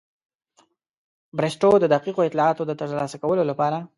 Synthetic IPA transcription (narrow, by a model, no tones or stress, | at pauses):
bɾesʈod̪əd̪aqiqoɪt̪lɑɑt̪od̪ət̪əʐlɑsakawəlolapɑɾa